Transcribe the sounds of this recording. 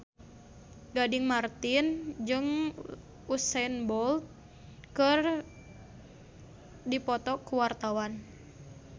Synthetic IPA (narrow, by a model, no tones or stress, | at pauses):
ɡadiŋmart̪ind͡ʒɨŋ | usɛnbɔlt̪̚ | kɨr | dipɔt̪ɔkuwart̪awan